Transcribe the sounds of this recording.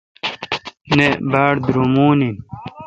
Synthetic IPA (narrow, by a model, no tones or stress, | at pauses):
nebaːɽd̪ɾumuːnin